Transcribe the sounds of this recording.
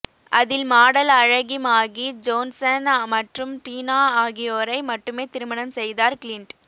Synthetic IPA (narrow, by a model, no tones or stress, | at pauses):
ʔɐðɪlmaːɽɐlɐɻɐɣɪmaːɣid͡ʒoːnsɐnmɐʈrɯmʈiːnaːaːɣɪjoːɾɐɪmɐʈːɯmeːt̪ɪɾɯmɐɳɐmsɛjðaːɾklɪɳʈ